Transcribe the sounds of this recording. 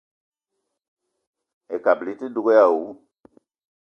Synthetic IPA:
e˨ka˨bli˨˦ti˦do˦ɡo˦ja˦˨u˨˦

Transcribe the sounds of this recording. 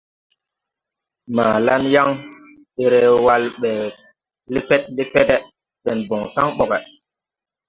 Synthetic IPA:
maː˨la˦nja˦ŋ | ɓe˨ɾɛ˨wa˦lɓɛ˨ | li˦fɛ˦t̚li˦fɛ˦tɛ˦ | fɛ˨nbɔ˨ŋsa˦ŋɓɔ˨kɛ˨

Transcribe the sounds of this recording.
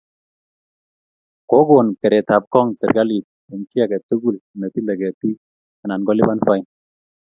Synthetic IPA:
ko˦ɡo˨nkɛ˨ɾɛ˨t̪a˨p̚kɔ˦ŋsɛ̰˨ɾɡa˦li˨t̚ | ɛ˨nti˦a˨ɡɛ˨t̪u˦ɡu˦˨lna˨ti˦le˨ɡɛ˨t̪i˦ | a˨na˨nɡɔ˦li˦ba˦nfa˦i˦n

